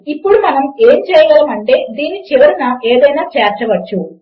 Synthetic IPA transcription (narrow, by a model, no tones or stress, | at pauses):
ipːoɽumɐnɐme̞ːnt͡ɕejɐɡɐɭɐmɐɳʈe̞d̪iːnit͡ɕeʋɐɾunɐʔe̞ːðɐjnaːt͡ɕeːrʈɾɐʋɐt͡ʃːu